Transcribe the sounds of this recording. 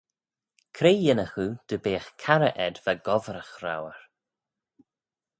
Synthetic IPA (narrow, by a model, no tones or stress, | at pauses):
kʰɾeːjɪnəxud̪̥əbeːxkʰaɾəʔɛd̪vaɡɔvɾəxɾa̰wəɹ